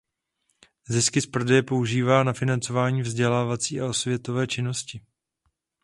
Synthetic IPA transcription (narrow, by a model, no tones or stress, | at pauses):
zɪskɪspr̩dɛjɛpo̞uʒiːvaːnafɪnant͡so̞vaːɲiːvzɟɛlaːvat͡siːao̞svjɛt̪o̞vɛːt͡ʃɪno̞scɪ